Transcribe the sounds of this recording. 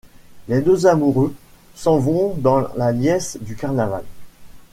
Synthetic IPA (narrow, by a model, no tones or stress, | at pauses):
led̪øzamuʁø | sɑ̃vɔ̃d̪ɑ̃laljɛsd̪ykaʁnaval